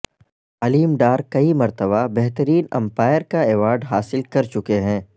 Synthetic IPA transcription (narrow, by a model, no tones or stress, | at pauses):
ɐliːmɖaːɾkɐimɐɾt̪əbabɛɦt̪əɾiːnɐ̰̃mpaːjəɾkaeːʋaːɾɖɦaːsɪlkɐɾt͡ʃʊkeɦɛ̃ː